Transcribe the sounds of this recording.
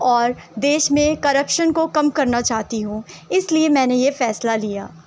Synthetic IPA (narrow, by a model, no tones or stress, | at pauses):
ɔːɾd̪eːʃmẽkɐɾəpʃənkokɐmkɐɾnat͡ʃaːɦt̪iɦũːɪsliemɛ̃ːnejefɛːslalijaː